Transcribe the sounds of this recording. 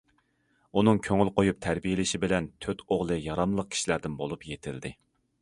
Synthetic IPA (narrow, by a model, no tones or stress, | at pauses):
unɨŋkʲʰøŋylqojup̚t̪ʰæɾbijelɪʃibɪlɛnt̪ʰøt̪ʰoʁlˠɨjɑɾɑmlˠəq̚kʲʰi̥ʃilæɾd̪ɪnbolˠupjet̪ʰɪld̪ɪ